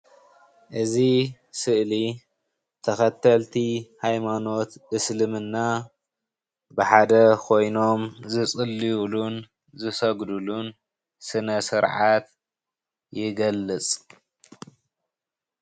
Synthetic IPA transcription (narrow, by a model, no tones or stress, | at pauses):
ʔɨzi | sɨʔli | t̪ʰɐxɐt̪ʰːɐlt̪ʰihajmano̞t̪ʔɨslɨmɨnːa | bɨħad̪ɐkʰo̞jno̞mzɨt͡sʼɨlːiulun | zɨsɐɡd̪ulun | sɨnɐsɨɾʕat̪ | jɪɡɐlːɨt͡sʼ